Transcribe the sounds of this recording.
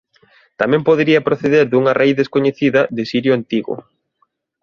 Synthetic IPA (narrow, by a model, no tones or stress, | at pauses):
t̪amɛ̃mpoðeɾiɐpɾoθeðeɾðuŋɐrejðeskoɲeθiðɐðɪsiɾjʊant̪iɣʊ̰